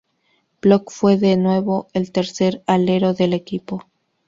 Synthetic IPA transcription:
b̥lokfwe̞ðenwe̞βo̞elt̪e̞ɾse̞ɾale̞ɾo̞ðe̞le̞kipo̞

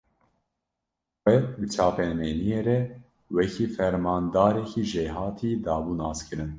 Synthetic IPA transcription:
xʷɛbɨt͡ʃʰɑːpɛmenijeːɾɛ | wɛkʰiːfɛɾmɑːnd̪ɑːɾɛkʰiːʒeːɦɑːt̪ʰiːd̪ɑːbuːnɑːskɨɾɨn

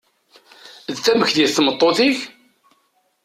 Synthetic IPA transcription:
ðθæməçðjəθθmət̪ˤːoθiç

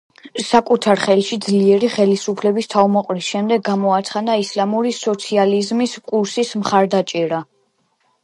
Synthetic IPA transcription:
sakʼut̪ʰaɾχɛlʃid̪zliɛɾiχɛlisupʰlɛbist̪ʰavmɔqʼɾisʃɛmd̪ɛɡɡamɔat̪sʰχad̪aislamuɾisɔt̪sʰializmiskʼuɾsismχaɾd̪at͡ʃʼɛɾa

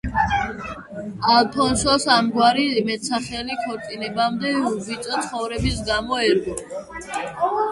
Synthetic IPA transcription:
alt̪ʰɔnʃɔsamɡwaɾimɛt̪sʰaχɛlikʰɔɾt̪sʼinɛbamd̪ɛuɡit̪sʼat̪sχɔvɾɛbisɡamɔɛɾɡɔ

